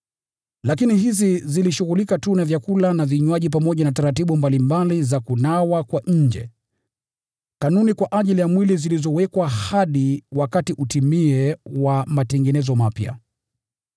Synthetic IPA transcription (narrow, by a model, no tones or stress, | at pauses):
lakiniɦiziziliʃuɣulikatunavjakulanaviɲwaʄip̬amɔʄanataɾatiɓumbalimbalizakunawakwaʔɲ̩d͡ʒɛ̰ | kanunikwaʔaʄilijamwilizilizɔwɛkwahaɗiwakatiʔutimiɛwamatɛŋɡɛnɛzɔmapja̰